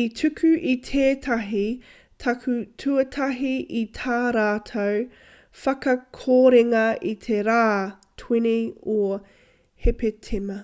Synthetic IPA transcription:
itʰʉkʰʉʔit̪ʰeːtʰɐɦi | tʰɐkʰʉtʰʉɐt̪ʰɐɦiʔit̪ʰaːɾaːt̪ʰow | fɐkɐkʰoːɾeŋɐit̪ʰeɾaː | tʰwinio | hepetʰemɐ

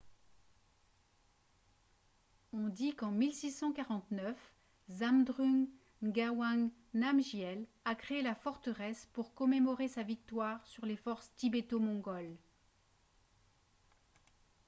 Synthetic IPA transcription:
ɔ̃d̪ikɑ̃milsisɑ̃kaʁɑ̃t̪nœf | zamd̪ʁyŋ | ɡawaŋ | namʒjɛl | akχeelafɔʁt̪əʁɛspuʁkɔmemɔʁesavik̚t̪waʁsyʁlefɔʁst̪ibet̪omɔ̃ɡɔl

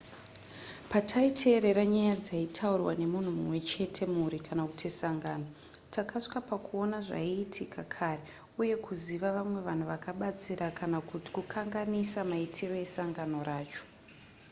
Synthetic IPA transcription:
patʰaitʰe̞ːɾe̞ɾaɲajad͡zaitʰaurwa̰ne̞mun̤umumwe̞t͡ʃe̞tʰe̞muɾikʰanaku̥tisaŋɡaːno̞tʰakaʂi̥kapakuo̞naʐa̰iːtʰikakʰare | uje̞kuziʋaʋamwe̞ʋan̤uʋakaɓat͡siɾakanakuti̥kukʰaŋɡanisamaitʰiro̞je̞saŋɡano̞ɾaːt͡ʃo̥

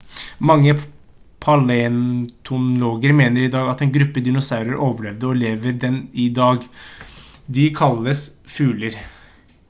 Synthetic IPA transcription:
mɑŋːə | pʰɑlɛnt̪ʰʊnloːɡəɾmeːnəɾɪd̪ɑːɡɑt̪ɛnɡɾʉpːəd̪ɪnʊsaʉɾəɾʔoːʋəɭɛʋd̪əɔleːʋəɾd̪ɛnɪd̪ɑːɡ | d̪ɪkʰɑlːəsfʉːləɾ

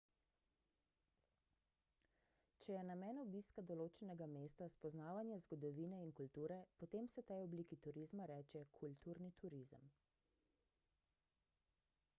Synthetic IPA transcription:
t͡ʃɛjɛnamɛːnɔbiːskad̪ɔloːt͡ʃɛnɛɡameːst̪aspɔznaːʋanjazɡɔd̪ɔʋiːnɛinkult̪uːɾɛpɔt̪eːmsɛt̪ɛjɔbliːkit̪uɾizmaɾɛːt͡ʃɛkʰult̪uːɾnit̪ʰuɾizə̰m

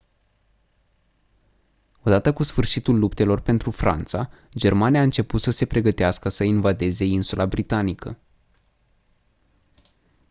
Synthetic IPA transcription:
o̞d̪at̪əkusfɨrʃit̪ulːupt̪e̞lo̞rpe̞nt̪ɾufɾa̰nt̪sa | d͡ʒe̞rmaniaɨnt͡ʃe̞put̪səse̞pɾe̞ɡət̪easkəsəinvad̪e̞ze̞insulʔabɾit̪anikə̰

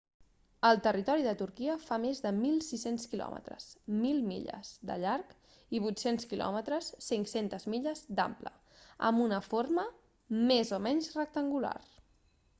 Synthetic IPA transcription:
əlˠt̪ərit̪ɔɾiðət̪uɾkiəfamezðəmilˠsisenskilɔ̰mʔə̰t̪ɾə̰smilˠmḭʎə̰z̥d̪ə̰ʎaɾk | iβ̞ujt̪senskilɔ̰mət̪ɾəsːiŋsent̪əzmiʎəzd̪a̰mplə̰ | ə̰mbunəfoɾmə | mezomɛɲzrək̚t̪əŋɡula̰r

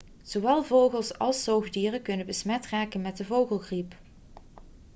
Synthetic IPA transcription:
z̥oʋɛlˠvowɣəlˠsɑ̰lˠsowɣdiːrəkɵnəbəsmɛtraːkənmɛt̚dəvowχəlˠɣrip

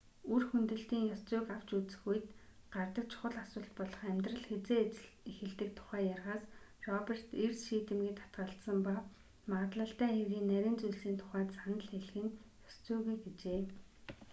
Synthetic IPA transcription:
urxunt̪ɘ̆ɬt̪iːŋjɔst͡sʊːkaw̥t͡ɕut͡sɘ̥̆xuj̆t̪ɢart̪ə̆k̚t͡ɕʰʊ̥χə̆ɮasʊːɮt̪pɔɮɞ̆χæmʲt̪rə̆ɮxet͡seːt͡ɕɮ | ixɘ̆ɮt̪ɘ̆k̚t̪ʰʊ̥χæːjarʁaːs | rɔper̥t̪ersʃiːt̪ɘ̆mɡiːt̪ʰḁt̪̚ɢə̆ɬt̪sə̆mpa | maʁə̆t̪ɮə̆ɬt̪æːxewɣiːnːæɾʲɪ̆ːnt͡sujɮsiːnt̪ʰʊ̥χæːt̪sanə̆ɮxeɮ̆xɘ̆njɔst͡sʊːɣujɡet͡ɕeː

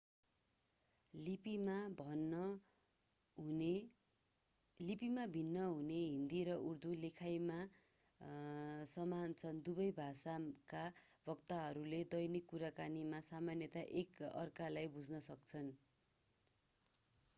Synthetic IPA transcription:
pmabʱʌn | lipimabʱinːʌɦuneɦind̪iɾʌʔurd̪ulekʰajma | sʌmant͡sʰʌnd̪ubʌjbʱasakabʱʌk̚t̪aɦʌɾuled̪ʌjnikːuɾakanimasamanjʌt̪aʔekʌ̰rkalajbud͡znʌsʌk̚t͡sʰʌn

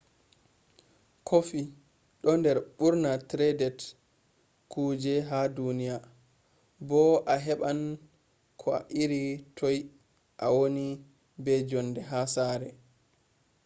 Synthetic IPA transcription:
kʰofi | ɗɔndɛɾɓuɾnatɾɛdɛt | kud͡ʒɛɦadunija | bɔʔaɦɛɓan | kʰɔa̰ʔiɾitʰɔj | ʔawoni | bɛd͡ʒɔnːdɛɦasaɾɛ

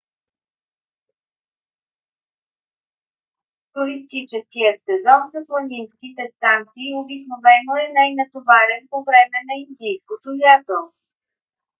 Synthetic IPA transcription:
t̪uɾis̬t̪it͡ʃɛskijət̪sɛzɔnzɐplˠɐzinskit̪ɛst̪ant̪siːobiknovɛnoɛnajnɐt̪ovaɾɛnpovɾɛmɛnɐind̪ijskot̪ojat̪o

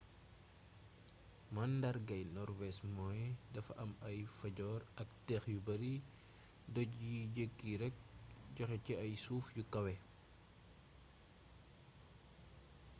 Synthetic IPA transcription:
mɐndɐɾɡɐjnɔɾwɛsmɔːjdɐfɐʔɐmɐjfɐɟɔːɾɐk̚tɛxjubɐɾi | dɔciɟeɡːiɾɛk̚ɟɔxɛciɐjsuːfjukɐwɛ

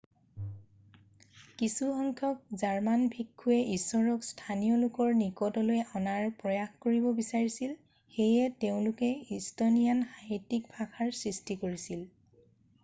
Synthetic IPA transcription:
kisuxɔŋkʰjɔk̚zaɹmanbʱikʰːuɛʔisːɔɹɔkstʰanijɔlʊkɔɹnikɔdɔlojɔnaɹpɹɔjaxkoɹibɔbisaɹisil | xejɛteʊ̃lʊkɛistonijanxaɦitːik̚bʱakʰaɹsɹistikoɹisil

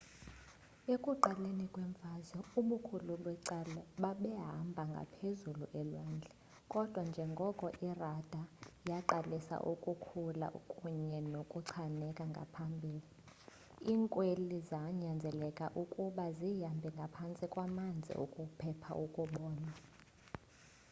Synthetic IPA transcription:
ekʼuǃalenikʼwɛɱfazɔuɓukʰuluɓwɛǀalaɓaɓɛɦambʱaŋɡʱa̰pʰezuluʔɛlwaːnd͡ɮʱɛ | kʼɔd̥ʱwand͡ʒʱɛŋɡʱɔkʼɔʔirad̥ʱajaǃalisa̰ʔukʼukʰula̰kʼuɲɛnokʼuǀʰanɛkʼaŋɡʱa̰pʰambʱiːli | iːŋkʼwelizaɲand͡zʱɛlɛkʼa̰ʔukʼuɓazijambʱɛŋɡʱapʰant͡sʼikʼwamand͡zʱḭʔṵkʼupʰɛpʰa̰ʔukʼuɓɔːna

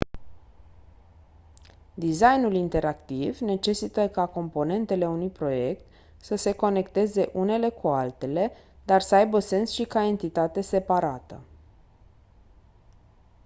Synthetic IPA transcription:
d̪izajnulint̪e̞ɾakt̪ivne̞t͡ʃe̞sit̪əkako̞mpo̞ne̞nt̪e̞le̞unujpɾo̞je̞kt̪ | səse̞ko̞ne̞kt̪e̞ze̞ʔune̞le̞kualt̪e̞le̞d̪arsəajbəse̞nsʃikae̞nt̪it̪at̪e̞se̞paɾat̪ə̰

